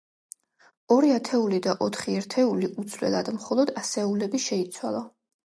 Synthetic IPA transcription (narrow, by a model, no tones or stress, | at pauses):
ɔɾiat̪ʰɛulid̪aʔɔt̪ʰχiɛɾt̪ʰɛuliʔud̪zlwɛ̰lˠad̪mχɔlˠɔd̪asɛulɛbiʃɛit̪sʰwa̰lˠa